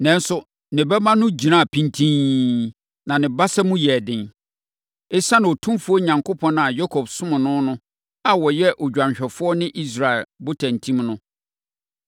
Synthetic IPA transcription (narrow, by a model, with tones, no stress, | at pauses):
nɛ̃˨n˦sʊ˨ | nɪ̃˨bɛ˦mã˦nʊ̃˦d͡ʑi˨nã˦˨pʰĩ˦ntʰĩ˦ | nã˨nɪ̃˨ba˦sa˦mũ˦jɛ˨dɪ̃˨n | e˦sã˦ñ˨o˨tʰũ˦mfu˦ɔ˦ɲã˨ŋkʰo˦pʰɔ̃˦na˨jɔ˦kʰɔ˨bsʊ̃˦mʊ̃˨nʊ̃˦nʊ̃˦ | a˨wɔ˨jɛ˦ʔo˨d͡ʑᶣã˨ɲɕᶣɛ˨fʊ˦ɔ˦nɪ̃˦ʔi˦s̬ɾa˨ɛ˨lbʊ˦tʰã˨n˨tʰĩ˦mnʊ̃˦